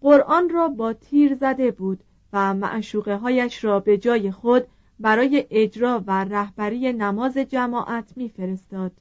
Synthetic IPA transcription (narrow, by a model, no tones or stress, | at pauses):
ɢo̞ɾʔɒːnrɒːbɒːt̪ʰiːɾzæd̪e̞buːd̪̥ | væmæ̰ʔʃuːɣe̞ɦɒːjæʃɾɒːbe̞d͡ʒɒːje̞xod̪ | bæɾɒːje̞ʔed͡ʒɾɒːværæhb̥æɾiːje̞næmɒːze̞d͡ʒæmɒːʔæt̪ʰmiːfe̞ɾe̞st̪ɒːd̪̥